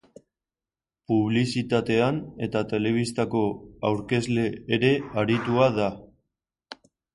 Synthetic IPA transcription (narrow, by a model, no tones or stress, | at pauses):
puβ̞lisit̪at̪e̞ane̞t̪at̪e̞le̞β̞ist̪ako̞awɾke̞zle̞ːɾe̞aɾit̪uaða